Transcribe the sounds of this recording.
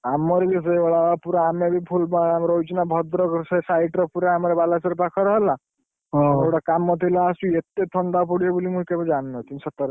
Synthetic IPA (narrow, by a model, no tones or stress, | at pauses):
amɔɾebis̬ɔeɔɭaapuɾaamebʱipʰulbamɾɔwt͡ʃinabʱɔd̪ɾɔksɔsajʈɾɔpuɾaːmɔɾebalasɔɾepakʰɔɾɔɦla | ɦewɽakamːɔt̪ʰilaːsuet̪et̪ʰɔɳɖapuɽijebulimũkebɔd͡ʒanːɔt̪insɔt̪ɔɾ